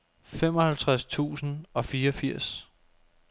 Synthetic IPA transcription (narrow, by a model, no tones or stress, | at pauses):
fem̰ɒ̽hælt͡sʰʁast͡sʰṵːsn̩ɒ̽fiːɐɒfiɐ̰s